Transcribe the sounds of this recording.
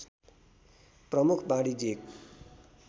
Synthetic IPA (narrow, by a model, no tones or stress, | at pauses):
prʌmukʰbãɽid͡zek̚